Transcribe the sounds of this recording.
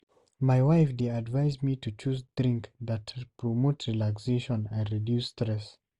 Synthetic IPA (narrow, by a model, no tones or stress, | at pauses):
maɪwaɪfdeadvaɪzmitut͡ʃuzdɹĩŋkðatpʰɹɔmotɹilakseʃɔ̃nɛ̃ndɹidjustɹɛs